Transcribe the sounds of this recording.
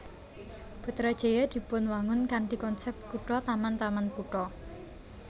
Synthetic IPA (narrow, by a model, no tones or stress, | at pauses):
b̥ṳt̪ɾad̥ʒ̥e̤jad̪̥i̤pʊnwaŋʊnkaɳʈikɔnsɛp̚t̪̚kuʈɔt̪amant̪amankuʈɔ